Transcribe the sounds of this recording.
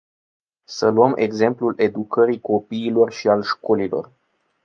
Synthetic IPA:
səluəmʔe̞̰ɡze̞mplulʔe̞d̪ukəɾiko̞piːlo̞rʃialʃko̞lilo̞̰r

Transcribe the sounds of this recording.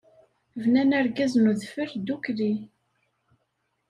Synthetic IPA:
vnænæɾɡæznuðfəɾd̪ukɾi

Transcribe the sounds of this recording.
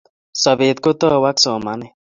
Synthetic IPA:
sɔbet̪̚kot̪ɔwaksɔmane

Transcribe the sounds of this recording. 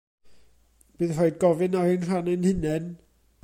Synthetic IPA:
b̥ɨːðrɔɨd̚ɡɔvɨnaɨnr̥anɛnhɪnɛn

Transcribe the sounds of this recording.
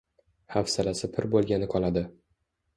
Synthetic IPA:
hafsalasɪpʰɪɾbolˠɡʲanɪqʰɒlˠad̪ɪ

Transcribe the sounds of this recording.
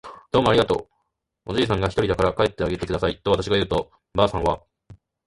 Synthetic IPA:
d̪̥o̞ːmoaɾʲiɡat̪o̞̰ː | od͡ʑiːs̬ãŋɡaçʲit̪o̞ɾʲid̪akaɾakae̞t̪ːe̞aɡe̞t̪ːe̞kɯd̪asait̪ːo̞βat̪aɕiɡajɯ̟ːt̪o̞ | baːsãɰ̃βa

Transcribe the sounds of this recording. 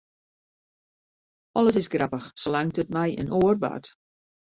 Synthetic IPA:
ɔlˠəsɪsɡrɑpəxslaŋtətmɛjʔə̰nʔoərba̰ːt

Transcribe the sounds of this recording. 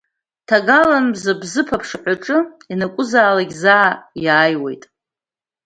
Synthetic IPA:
tʰaɡalanzabzɨpʰapʰʂħʷaʈ͡ʂʼɨ | inakʷʼʊzaːlaɡʲzaːjaːjwe̞̰jtʼ

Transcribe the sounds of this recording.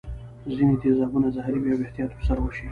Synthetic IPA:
zinet̪ezɑbunazahɾibiaweht̪ijɑt̪pəɾsaɾawəʃi

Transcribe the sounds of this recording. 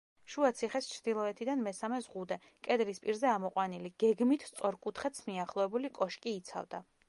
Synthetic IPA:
ʃuat̪sʰiχɛst͡ʃʰɾd̪̥ilˠɔɛt̪ʰid̪anmɛsamɛzʁud̪ɛ | kʼɛd̪lispʼiɾzɛamɔqʼwaniliɡ̥ɛɡmit̪ʰst̪sʼɔɾkʼut̪ʰχɛt̪smiaχlˠɔɛbulikʼɔʃkʼiːt̪sʰa̰vd̪a

